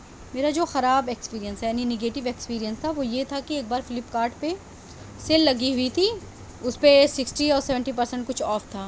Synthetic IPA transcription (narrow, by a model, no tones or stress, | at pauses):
meːɾad͡ʒoːxɐɾaːbekspiːɾijə̃nsjaːnineɡeːʈɪʋekspiːɾijə̃nst̪ʰaʋojet̪ʰakieːk̚baːɾfɪlɪpkaːɾʈpe | seːlːɐɡiɦʊit̪ʰi | ʊspesɪksʈiɔːɾsɛʋə̃ɳʈipɐɾsə̃ɳʈ̚kʊt͡ʃʰɔːft̪ʰaː